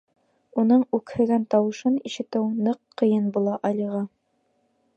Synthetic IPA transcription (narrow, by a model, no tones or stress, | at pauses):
unɤɴʉkhɘ̆ɡænt̪ɑwɤ̆ʃɤniʃɘ̆t̪ɘwnɤqːɤ̆jɤnbulˠɑʔɑlʲiʁɑ